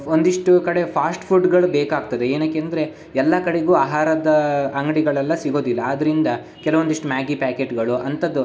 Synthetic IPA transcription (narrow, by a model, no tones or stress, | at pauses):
ond̪iʂʈukɐɽe̞pʰaːsʈpʰuɖɡɐɭubeːkaːɡ̚t̪ɐd̪eeːnaːkːeɐnd̪ɐɾe̞ | ɛlːɐkɐɽe̞ɡuːaːɦaːɾɐd̪ɐɐŋɡɐɽiɡɐɭɐlːɐsiɡo̞ːd̪ilːɐːd̪ɐɾind̪ɐ | kɛlɐʋond̪iʂʈumaːɡipaːkeʈɡɐɭuʔɐnt̪ɐd̪ːu